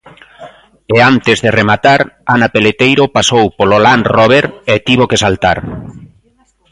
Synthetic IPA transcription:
eant̪ezðeremat̪aɾanapelet̪ejɾopasowpololanrɔβ̞eɾet̪iβokesalt̪aɾ

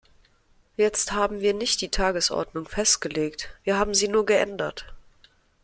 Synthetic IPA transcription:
jɛt͡sthaːbm̩viːɐnɪçtd̥iːtʰaːɡəsʔɔ̰ɐdnʊŋfɛstɡ̥əleːktv̥iːɐhaːbm̩ziːnuːɐɡəʔɛ̰ndɐt

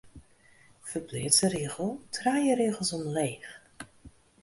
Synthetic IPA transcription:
fərblɪːtsəɾeəɣəl̩ˠtʰraːjəɾeːɣəlˠsɔmleːχ

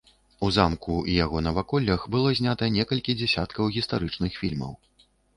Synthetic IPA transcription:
uzamkuijaɣɔnɐvakɔlʲːɐxbɨlˠɔzʲnʲat̪ɐnʲɛkɐlʲkʲid͡zʲɛsʲat̪kɐwɣʲist̪aɾɨt͡ʂnɨxfʲilʲmɐ̰w

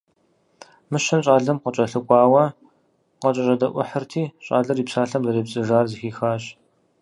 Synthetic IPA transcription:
mɨɕɐnɕʼaːɮɐmqət͡ʃʼɐɬɨkʷʼɑːwɐ | qɐt͡ʃʼɐʑʼɐdɐʔʷʊħərtʰiːɕʼa̰ːɮɐriːpsaːɬɐmzɐreːbt͡sʼɨʒaːrzixiːxaːɕ

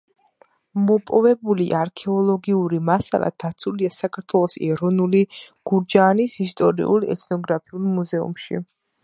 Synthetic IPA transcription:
mɔpʼɔvɛbuliʔaɾkʰɛɔlˠɔɡiuɾimasa̰lˠa̰d̪̥at̪sʰuliasakʰaɾt̪ʰwɛlˠɔsɛɾɔnuliɡ̥uɾd͡ʒaːnisist̪ʼɔɾḭulˠɛ̰t̪ʰnɔɡɾapʰiulˠmuzɛṵmʃḭ

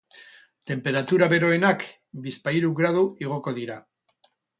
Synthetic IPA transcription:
t̪e̞mpe̞ɾat̪uɾaβe̞ɾo̞enak | bispaiɾuɣɾað̞uiɣ̞o̞ko̞ð̞iɾa

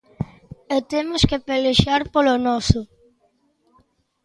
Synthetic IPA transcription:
ot̪emoskepeleʃaɾpolonɔsʊ

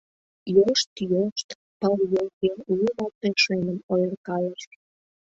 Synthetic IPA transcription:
joʃt̪joʃt̪ | pəljolkeuumɑlt̪eʃenə̆mojərkɑləʃ

